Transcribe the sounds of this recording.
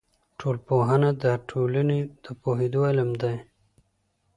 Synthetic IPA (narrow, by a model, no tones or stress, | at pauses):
ʈʰolpoɦanad̪aʈʰolaned̪̥əpoɦed̪oalamd̪aj